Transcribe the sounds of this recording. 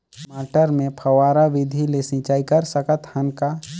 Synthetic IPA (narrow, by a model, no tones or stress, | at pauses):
maːʈəɾmẽpʰəwaːɾaʋɪd̪ʱilesɪ̃ːt͡ʃaːikəɾsəkət̪hənka